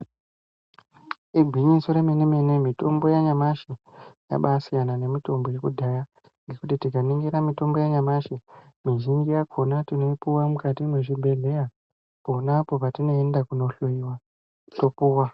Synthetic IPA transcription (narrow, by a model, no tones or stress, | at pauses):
iɡʱiɲiso̞ɾemenemene̞mito̞mbojaɲamaʃija̰ɓasijanane̞mito̞mbojekudʱaja | ŋɡe̞kutitikaniŋɡeɾamito̞mbo̞jaɲamaʃe | miʒind͡ʒijakʰo̞natino̞puwamukatinweʐibʱe̞ɮe̞ja | ponapo̞patino̞endakuno̞ɬoiwa | to̞puːwa